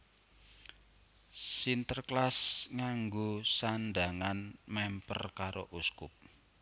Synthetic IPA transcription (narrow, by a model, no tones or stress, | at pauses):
sint̪ərklasŋaŋɡosanɖaŋanmɛmpə̰rkaɾoʔuskʊp̚